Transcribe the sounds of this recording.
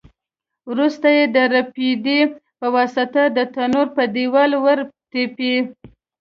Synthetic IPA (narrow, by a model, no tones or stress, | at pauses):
wɾust̪ajed̪əɾapid̪ipəwɑsat̪ad̪ət̪anoɾpəd̪iwɑlwəɾt̪epi